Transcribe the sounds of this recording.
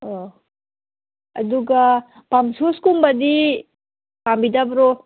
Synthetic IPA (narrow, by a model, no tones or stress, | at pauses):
o | ɐ̰duɡa | pamsuskumbɐdi | pambidabɾo